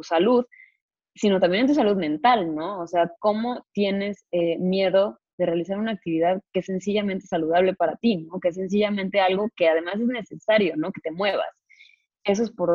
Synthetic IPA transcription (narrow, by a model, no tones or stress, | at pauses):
t̪usaluð | sino̞t̪ambjenent̪us̬aluðmẽ̞nt̪alno̞ːse̞ako̞mo̞t̪je̞ne̞semje̞ðo̞ | ðe̞re̞alis̬aɾunaːk̚t̪iβiðaðke̞esːe̞nsiʝament̪e̞saluð̞aβ̞le̞paɾat̪ino̞kees̬e̞ns̬iʝamẽnt̪e̞alɣo̞ke̞aðe̞mas̬e̞zne̞se̞saɾjo̞no̞ke̞t̪e̞mwe̞β̞a̰s | e̞s̬o̞espo̞ɾ